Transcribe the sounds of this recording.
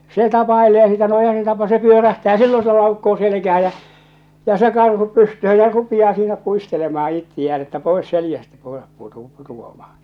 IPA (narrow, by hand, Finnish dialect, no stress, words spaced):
se tɑpɑeleː sitæ no eihæ se tɑpɑ se pyøræhtæː silːo se lɑukːoː selekæhæ jæ jæ̠ se kɑrhu pystøhø jæ̠ rupij̆ɑː siːnæ puistelemɑhɑ itːij̆æːn etːæ poes seljæstæ koerɑp putu putuɑmɑhɑ̥